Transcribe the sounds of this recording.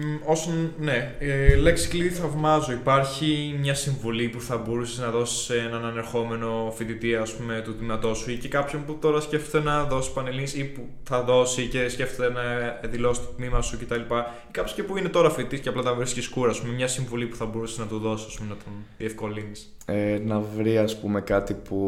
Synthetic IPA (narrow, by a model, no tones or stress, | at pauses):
o̞sɐnne̞eleksi̥kliθɐvmɐzo̞ipɐɾçimɲɐsiɱvulipuθɐbo̞ɾuseznɐðo̞si̥seenɐnɐne̞ɾxo̞me̞no̞fit̪it̪iɐːspume̞t̪ut̪imɐt̪o̞suicekɐpçomput̪o̞ɾɐsceft̪et̪enɐðo̞si̥spɐnelinsipu | θɐðo̞sice̞sce̞ft̪et̪enɐðilo̞si̥t̪o̥t̪mimɐsuce̞t̪ɐlipɐikɐpço̥cepuine̞t̪o̞ɾɐfit̪it̪isceɐplɐt̪ɐvɾisciskuɾɐːspumemɲɐsiɱvulipu̥θɐbo̞ɾuseznɐt̪oðo̞sisɐspumenɐt̪onðie̞fko̞linis | enɐvɾiɐspumekɐt̪ipu